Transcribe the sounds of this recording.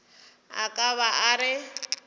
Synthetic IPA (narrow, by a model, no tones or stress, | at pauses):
a̰kʼaβaʔaɾɪ